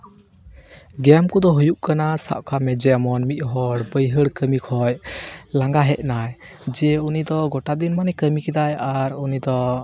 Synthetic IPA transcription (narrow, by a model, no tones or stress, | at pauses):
ɡɛmkud̪ɔɦujuʔkanasa̰ʔkʰamɛd͡ʒɛamɔnmit̪̚ˀɦɔɽbəjɦəɽkəmikʰɔjlaŋɡaɦɛʔ̪̚ˀnaj | d͡ʒɛunid̪ɔɡɔʈad̪inmanɛkəmikɛd̪ajaɾunid̪ɔ